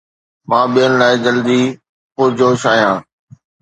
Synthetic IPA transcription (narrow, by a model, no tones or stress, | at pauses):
mãːɓijənɪ̆laːɪd͡ʑəld̪iː | xʊɾd͡ʑoːʃaːɦjãː